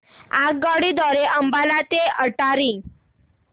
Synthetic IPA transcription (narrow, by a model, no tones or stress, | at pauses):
ak̚ɡɔɽid̪ɔɾeʔəmbalat̪eəʈaɾi